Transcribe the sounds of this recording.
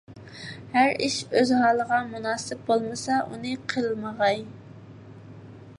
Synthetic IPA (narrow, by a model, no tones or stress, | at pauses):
hæɾiʃøzɦɑːlˠəʁɑmunɑːsɪp̚bolˠmɨsɑʔṵnɨqʰəlˠməʁɑj